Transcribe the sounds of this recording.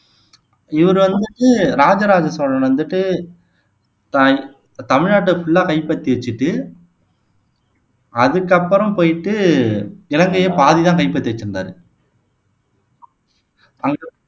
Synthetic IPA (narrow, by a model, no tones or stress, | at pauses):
ɪʋɐɾɯʋɐnd̪ɯʈːɯɾaːd͡ʒɐɾaːd͡ʒɐsɐɽɐnʋɐnd̪ɯʈːɯ | t̪ã | t̪ɐmɪɻnaːʈːɯfʊɭːaːkɐɪpːɐt̪ːiʋɐt͡ʃːɯʈːɯ | ɐðɯkːɐpːɯɾɐmpoːjɪʈːɯ | ɪlɐŋɡɐjeːpaːðit̪ãːŋkɐɪpːɐt̪ːɪʋɐt͡ʃːɯnda̰ːɾɯ | ɐŋɡ